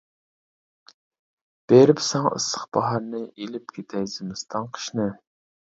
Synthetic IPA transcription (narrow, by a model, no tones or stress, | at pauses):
b̥eɾɪpsɛŋʔɨ̰sə̥χbɑɦɑɾnɨʔelɪp̚kʲʰet̪ʰɛjzɪmɨst̪ʰɑŋqʰə̥ʃnɨ